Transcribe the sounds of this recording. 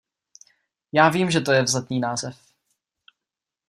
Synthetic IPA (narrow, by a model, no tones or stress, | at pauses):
jaːviːmʒɛt̪o̞jɛvzat̪niːnaːzɛf